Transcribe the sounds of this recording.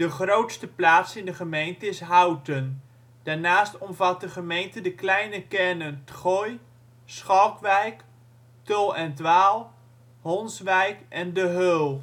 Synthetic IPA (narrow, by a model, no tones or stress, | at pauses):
d̥əχrowtstəplaːtsɪndəχəmejntəɪsɦawtən | d̥aːɹnaːstɔmvɑt̚dəχəmejntədəklɛjnəkɛrnəntχɔj | sχɔkʋɛjk | tɔlˠɛntʋaːlˠ | hɔnsʋɛjkɛndəɦølˠ